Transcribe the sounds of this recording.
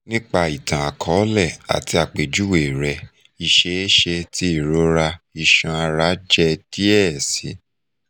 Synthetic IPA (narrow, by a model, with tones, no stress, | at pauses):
nĩ˦k͡pa˦˨i˨tã˨a˨kʰɔ˨˦lɛ˦˨a̰˨ti˧a˨k͡pe˨d͡ʒu˦we˨ɾɛ˧ | i˧ʃe˧˦e˦ʃe˧tʰi˦i˦˨ɾo˦ɾa˧i˧ʃã˧a˧ɾa˨˦d͡ʒɛ˦d̥i˦ɛ˦˨si˨˦